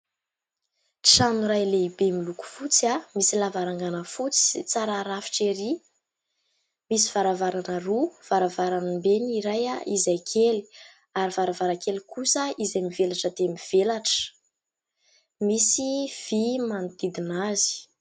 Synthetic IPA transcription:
ʈ͡ʂanuɾajleibemiluku̥fut͡siamisilavaɾaŋɡanəfut͡si̥t͡saɾaɾafi̥ʈ͡ʂeɾi | misi̥v̥aɾavaɾanəruv̥aɾavaɾanimbeniɾajaʔizajkʰeli̥ | aɾivaɾavaɾakelikusəizamivelaʈ͡ʂəd̪emiv̥elaʈ͡ʂə̥ | misiv̥imand̪id̪inazi̥

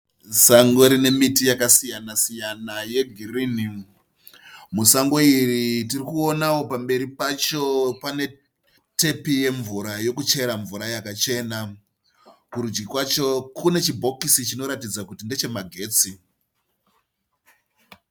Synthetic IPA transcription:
saŋɡo̞ɾine̞mitijakasijanasijanaje̞ɡʱiriːni | musaŋɡo̞iritirikuo̞nawo̞pambe̞ɾipat͡ʃo̞pane̞ | te̞pije̞ɱvuɾajo̞kut͡ʃe̞ɾaɱvuɾajakat͡ʃe̞na | kuɾud͡ʒɡikwat͡ʃo̞kune̞t͡ʃibʱo̞kisit͡ʃino̞ɾatid͡zakutinde̞t͡ʃe̞maɡʱe̞ːt͡si

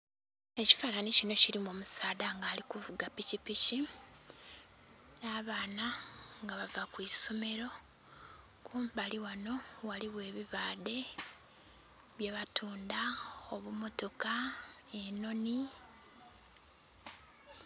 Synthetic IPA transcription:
e̞ci̥falanicino̞ciɾimomusaːdaŋɡaːlikuvuɡapicipici | naːβaːnaŋɡaβavakwiːso̞me̞ɾo̞ | kuːmβaliwano̞waliβwe̞ːβiβaːde̞ | βjeβatʰuːndaoβumo̞to̞kaeno̞ni

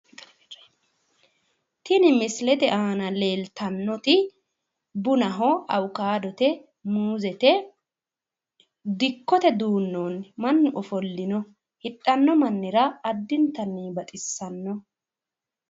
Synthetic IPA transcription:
t̪ɪnɪmɪslɛt̪ɛʔaːnɐle̞ːlt̪ɐnːɔt̪ɪ | bʊnɐɦɔɐwʊkaːd̪ɔt̪ɛ | muːzɛt̪ɛ | d̪ɪkːɔt̪ɛd̪uːnːoːnmɐnːɪʔɔfɔlːɪnɔ | hɪtʼːɐnːɔmɐnːɪɾɐːd̪ːɪnt̪ɐnːibɐt̪ʼɪsːɐnːɔ

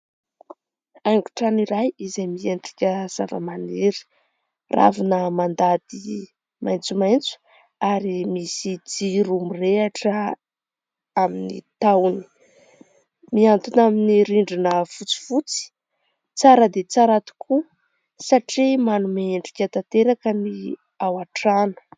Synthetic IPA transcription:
ajŋɡu̥ʈ͡ʂaniɾajizejmieɳɖ͡ʐi̥kʲəz̥a̰və̰maniɾi̥ | rʔa̰vinəmand̪ad̪i | mʔajnt͡sumajnt͡su̥ | aɾimisid͡ziɾumireaʈ͡ʂə | aminḭt̪awni̥ | miant̪unaminiɾiɳɖ͡ʐinəfut͡si̥fut͡si̥ | t͡saɾəd̪et͡saɾat̪i̥kʰu | saʈ͡ʂimanumeeɳɖ͡ʐi̥kʲət̪at̪eɾakəni | awaʈ͡ʂanə̥

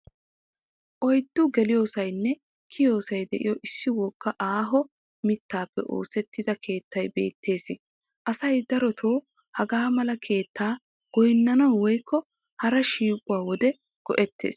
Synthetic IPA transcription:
ʔɔjd̪ːʊɡɛlɪjo̞ːsɐjnːɛ | kʰɪjo̞ːsɐjd̪ɛʔɪjɔʔɪsːɪwɔkːɐʔaːɦɔ | mɪt̪ːaːpːɛ̰ʔo̞̰ːsɛt̪ːɪd̪ɐkʰe̞ːt̪ːɐjbe̞̰ːt̪ʰːe̞ːsɪ | ʔɐsɐjd̪ɐɾɔt̪ʰoː | hɐɡaːmɐlɐkʰe̞ːt̪ːaː | ɡ̥ɔjnːɐnɔwɔjkːɔ | hɐɾɐʃiːkʼʊwaːwɔd̪ɛ | ɡ̥ɔ̰ʔɛt̪ːe̞̰ːs

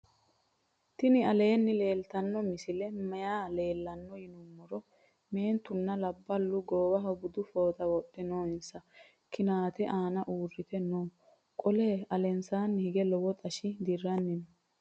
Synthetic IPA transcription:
t̪ɪnɪɐle̞ːnːɪle̞ːlt̪ɐnːɔmɪsɪlɛmɐjaːle̞ːlːɐnːɔjɪnʊmːɔɾɔ | me̞ːnt̪ʊnːɐlɐbːɐlːʊɡoːwɐɦɔbʊd̪ʊfo̞ːt̪ɐwɔtːɛnoːɪnsɐ | kɪnaːt̪ɛʔaːnɐʔuːrːɪt̪ɛnoː | kʼɔleːɐlɛnsaːnːɪhɪɡɛlɔwɔt̪ʼɐʃɪd̪ɪrːɐnːɪnɔ

